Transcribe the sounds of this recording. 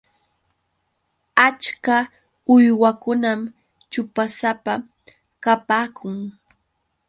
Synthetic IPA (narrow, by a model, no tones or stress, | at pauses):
at͡ʃka | ʊjwakʊnam | t͡ʃʊpasapa | kapaːkʰʊŋ